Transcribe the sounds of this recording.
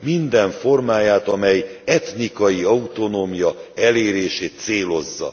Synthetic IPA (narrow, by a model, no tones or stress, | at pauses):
mind̪ɛɱfo̞rmaːjaːt̪ɒmɛjɛt̪nikɒjiɒut̪o̞noːmijɒɛleːɾeːʃeːt̪seːlo̞zːɒ̰